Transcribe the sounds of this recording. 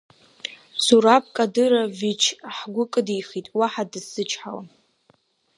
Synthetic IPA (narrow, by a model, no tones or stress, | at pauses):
suɾap̚ʰʼkʼadɨɾavit͡ʃʰħɡʷʊkʼɨdijχitʼwaħadɨsɨt͡ʃʰʼħawa̰